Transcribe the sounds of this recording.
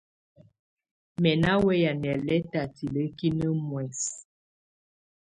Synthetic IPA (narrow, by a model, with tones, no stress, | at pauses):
mɛ˨na˦wɛ˦ja˨nɛ˨lɛ˦ta˨ti˨lə˦ki˦nə˦mwɛ˨s